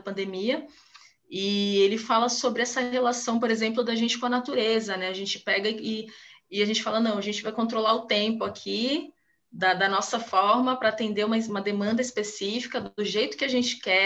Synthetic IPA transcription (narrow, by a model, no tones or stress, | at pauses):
ɐpɐ̃nd̪emiɐ | ɪelɪfalɐsobɾɪɛsɐɦelasɐ̃w̃poɾezẽmplʊd̪ɐʒẽnt͡ʃɪ̥kõɐnat̪uɾezɐnɛaʒẽnt͡ʃɪ̥pɛɡɐɪɪaʒẽnt͡ʃɪ̥falɐnɐ̃w̃ɐʒẽnt͡ʃɪvajkõnt̪ɾolaɾʊt̪ẽmpʊakʰi | d̪ɐd̪ɐnɔsɐfɔɾmɐpɾɐːt̪ẽnd̪eũmɐũmɐd̪emɐ̃nd̪ɐispesifi̥kɐd̪ʊʒejt̪ʊ̥kɪaʒẽnt͡ʃɪ̥kɛ